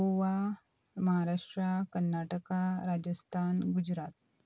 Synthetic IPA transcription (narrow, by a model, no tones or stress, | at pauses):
oʋa | məɦaɾaʂʈɾakənːaʈəkaɾad͡ʑəst̪ʰanɡud͡ʑɾat̪̚